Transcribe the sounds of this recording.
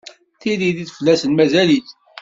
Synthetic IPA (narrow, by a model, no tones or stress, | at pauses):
θiliðiθflːæsənmæzæliθ